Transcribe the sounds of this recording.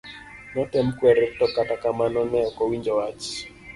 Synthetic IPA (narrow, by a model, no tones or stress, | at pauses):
nɔtɛm̩kwɛɾɪtɔkatakamanɔnɛɔkɔwind͡ʒɔwat͡ʃi̥